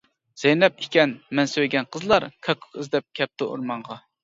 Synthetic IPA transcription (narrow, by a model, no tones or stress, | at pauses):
z̥ɛjnɛp̚ikʲɛnmɛnsøwɡʲɛnqʰəzlˠɑɾkʲʰɑkʰːʊ̥χɨzd̪ɛp̚kʲʰɛp̚t̪ɪo̰ɾmɑɴʁɑ